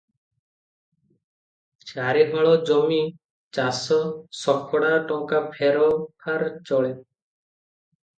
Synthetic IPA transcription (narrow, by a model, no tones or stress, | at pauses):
t͡ʃaɾebʱɔɭɔd͡ʒɔmi | t͡ʃasɔsɔkʰːɔɽaʈɔŋkapʰeɾɔpʰaɾt͡ʃɔɭe